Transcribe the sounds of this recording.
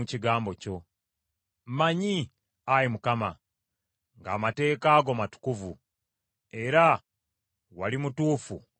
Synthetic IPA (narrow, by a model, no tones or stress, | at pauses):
uciɡaːmboco̞ | mmaɲi | ajimukama | ŋɡa̰ːmate̞ːkaːɡo̞matu̥kuvu | e̞ɾa | walimutuːfṵ